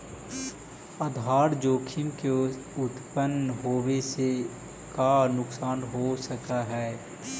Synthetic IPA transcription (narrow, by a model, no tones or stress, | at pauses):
əd̪ʱaːɾd͡ʒoːkʰɪmke | ʊt̪pənɦoːʋese | kanʊksaːnɦosəkaɦɛː